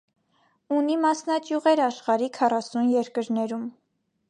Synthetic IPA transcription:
unimɑsnɑkjuʁɛɾɑʃχɑɾikʰɑrɑsunjɛɾkəɾnɛɾum

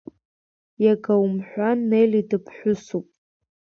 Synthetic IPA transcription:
jaɡawmħʷᶣanːejlidɨpʰħʷᶣʊsupʼ

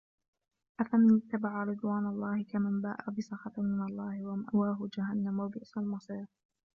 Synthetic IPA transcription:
ʔafamɪnɪt̪ːabaʕaɾɨd̪ˤwaːnalˤːɑːhɪkamanba̰ːʔa̰bɪsˤɑxɑt̪mɪnɑlˤːɑːhɪwamaʔwaːɦʊd͡ʒaɦanːamwabɪʔsalmɑsˤiːɾ

